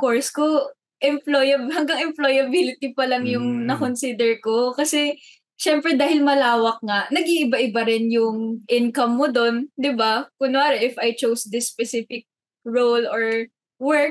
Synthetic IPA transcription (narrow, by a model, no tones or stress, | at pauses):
fkoɹsko | ʔɛmplojɐbhɐŋɡɐŋɛmplojɐbilɪt̪ipɐlɐŋjʊŋnɐkonsiːd̪ɛɹko̞kɐsɛ | ʃɛmpɾɛd̪aːhɪlmɐlaːwɐk̚ŋaʔnɐɡiʔɪbaʔɪbaɾɪnjʊŋʔɪnkɐmːod̪o̞nd̪ɪbakʊnʊaːɾɛʔɪfʔɐjt͡ʃowsd̪ɪspɛsɪfɪk̚ | ɹowloɹ | wɛɹk